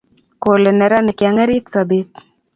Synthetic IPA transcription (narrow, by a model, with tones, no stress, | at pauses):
ko˨le˨nɛ˨ɾa˦nɛ˨kja˨ŋe˦ɾi˦t̪sa˨be˦t̪̚